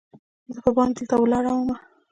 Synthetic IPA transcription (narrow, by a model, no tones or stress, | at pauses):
zəpəbɑnd̪əlt̪awəlɑɽawəma